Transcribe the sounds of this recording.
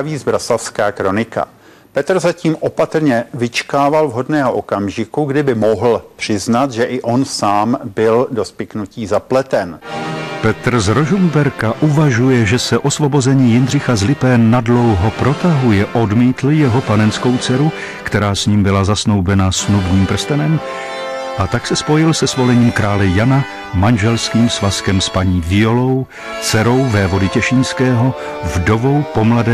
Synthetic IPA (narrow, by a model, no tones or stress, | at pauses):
viːzbɾasafskaːkɾo̞nɪka̰ | pɛt̪rzaciːmʔopat̪rɲɛvɪt͡ʃkaːvalvɦo̞dnɛːɦoʔokamʒɪkuɡdɪbɪmoɦl̩pr̥ɪznat̪ʒɛʔɪʔo̞nsaːmbɪldo̞spɪknuciːzaplɛt̪ɛnpɛt̪ɾzɾo̞ʒumbɛɾkaʔuvaʒujɛʒɛsɛʔo̞svo̞bo̞zɛɲiːjɪnr̝ɪxazlɪpɛːnːadlo̞wɦopɾo̞t̪aɦujɛʔodmiːt̪l̩jɛɦo̞panɛnsko̞wt͡sɛɾu | kt̪ɛɾaːsɲiːmbɪlazasno̞wbɛnasnubɲiːmpr̩st̪ɛnɛm | ʔat̪aksɛspo̞jɪlsɛsvo̞lɛɲiːmkɾʔaːlɛjana | manʒɛlskiːmsvaskɛmspaɲiːvɪo̞low | t͡sɛɾo̞wvɛːvo̞dɪcɛʃinskɛːɦo̞ | vdo̞vowpo̞mladɛː